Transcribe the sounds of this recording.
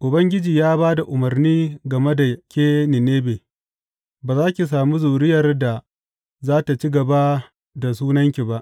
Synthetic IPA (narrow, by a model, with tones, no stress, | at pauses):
ʔʊ˨bɐ˦ŋɡʲɪ˦d͡ʒiː˨jaː˦baː˦da˨ʔʊ˨mɐ˨rniː˦ɡɐ˨me˦da˨kʲeː˦nɪ˨neː˦beː˨ | baː˨zaː˦kʲi˨s̬aː˨mu˦zuː˨ɾɪ˦jɐ˨rda˨ | zaː˦ta˨t͡ʃi˦ɡɐ˨ba˦ | da˨s̬uː˦nɐ˦ŋkʲi˨ba˦ʔ